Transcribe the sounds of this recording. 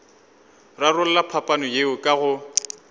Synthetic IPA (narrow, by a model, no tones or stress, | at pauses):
rarʊl̩lapʰapʼanɔjeʊkʼaɣʊ